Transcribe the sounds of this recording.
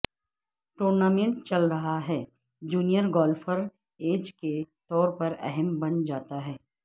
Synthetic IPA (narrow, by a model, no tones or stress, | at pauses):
ʈoːɾnaːmẽɳʈ̚t͡ʃɐlɾɐɦaɦɛː | d͡ʒuːnijəɾɡɔːlfʰəɾ | eːd͡ʒket̪ɔːɾpɐɾɛ̰ɦɛmbɐnd͡ʒaːt̪aɦɛː